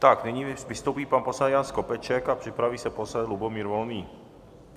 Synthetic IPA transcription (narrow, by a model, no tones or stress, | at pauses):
t̪aknɛɲiːvɪst̪owpiːpanposɛd̪janskopɛt͡ʃɛkapr̝̥ɪpɾaviːsɛposɛd̪lubomiːɾvolniː